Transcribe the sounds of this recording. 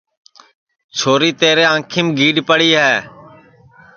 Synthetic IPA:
t͡ʃʰoːɾiːt̪eːɾeːãːkʰiːmɡiːɖpəɽiːɦɛː

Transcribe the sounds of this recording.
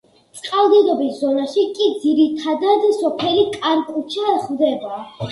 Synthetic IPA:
t̪sʼqʼalˠd̪id̪ɔbiszɔnaʃikʼid̪ziɾit̪ʰad̪ad̪sɔpʰɛlikʼaɾkʼut͡ʃʰaχvd̪ɛba

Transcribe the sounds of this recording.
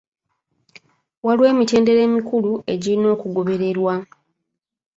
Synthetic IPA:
walwe̞ːmite̞ːnde̞ɾe̞ːmikulue̞ɟiɾino̞ːkuɡo̞βe̞ɾe̞ɾwa

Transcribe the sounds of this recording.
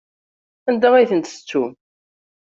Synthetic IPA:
ænd̪aʁæjθənt̪ə̥t͡sːum

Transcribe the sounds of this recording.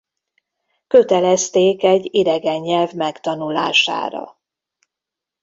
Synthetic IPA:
køt̪ɛlɛst̪eːkɛɟːid̪ɛɡɛɲːɛlvmɛkt̪ɒnula̰ːʃa̰ːɾɒ̰

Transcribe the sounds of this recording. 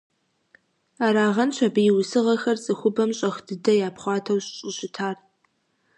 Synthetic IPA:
aːɾaːʁɐnɕʷʰɐbɨjɪwsɨʁɐxɐrt͡sʼɨxʷʊbɐmɕʼɐχdɨdɐjaːpχʷɑːtʰɐwɕʼɕʼɪɕɪtʰaːr

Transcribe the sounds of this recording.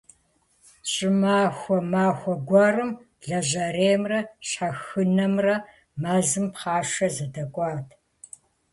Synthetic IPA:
ɕʼɪmaːxʷɔmaːxʷɔɡʷɐrɨm | ɮɐʑɐreːmrɐɕħɐxɨnɐmrɐ | maːzɨmpχɑːʂɐzɐdɐkʷʼɑːtʰ

